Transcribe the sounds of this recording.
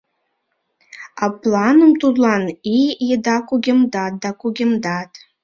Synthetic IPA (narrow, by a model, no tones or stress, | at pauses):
apʼlanɨmtʰʼudlanijidakʷʼuɡʲɪmdat̚dakʷʼuɡʲɪmdatʼ